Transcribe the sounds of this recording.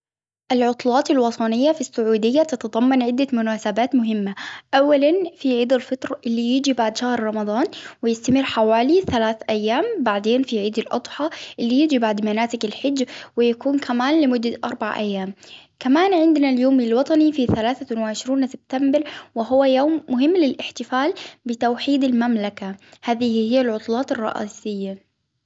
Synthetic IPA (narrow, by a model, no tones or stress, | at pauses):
ʔɪlʕʊt̪ˤlɑːt̪ˤɪlwɑt̪ˤʰɑnɪjːafisːʊʕuːd̪ɪjːat̪ɑt̪ɑd̪ˤɑmːɑnʕɪd̪ːamʊnaːsabaːt̪mʊɦɪmːaʔawːalanfiʕiːd̪ɪlfɑt̪ɾˤɑʔɪlːijɪd͡ʒibaʕd̪ʃahɾɾˤɑmɑd̪ˤɑːnwɪjɪst̪amɪrːħawaːliθalaːθʔajːaːmbaʕd̪eːnfiʕiːd̪ɪlʔɑ̰d̪ˤħɑʔɪlːijɪd͡ʒibaʕd̪manaːt̪ɪɡɪlħɪd͡ʒːwɪjakuːnkʰamaːnlɪmʊd̪ːaʔɑ̰ɾˤbaʕ̰ʔa̰jːaːmkamaːnʕɪnd̪naljoːmilwɑt̪ˤɑnifiθalaːθanwɪʕɪʃɾuːnsɪb̚t̪ambɪɾwɪɦʊwːajoːmːʊɦɪmːlɪlʔɪħt̪ɪfaːlbɪt̪awħiːd̪ɪlmamlakahaːðɪhɪjːalʕʊt̪ˤlɑːt̪ɪrˤːɑ̰ʔa̰ːsɪjːa